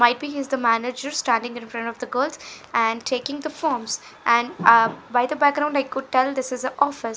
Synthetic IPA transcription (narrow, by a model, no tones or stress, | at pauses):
maɪʈ̚biːɦizd̪əmænɪd͡ʒəɾsʈæ̃ɳɖɪ̃ŋɪ̃nfɾʌ̃ɳʈɔʋd̪əɡolt̪æ̃ɳɖʈʰeːkɪ̃ŋd̪əfɔːɾmz | ʔæ̃ɳɖbaɪd̪əbæk̚ɡɾãʊ̃ɳɖaɪkʊɖ̚ʈɛld̪ɪsɪzəʔɔːfɪs